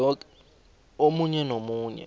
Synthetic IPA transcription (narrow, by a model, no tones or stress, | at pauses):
ɔ | omuɲɛnomuːɲɛ̰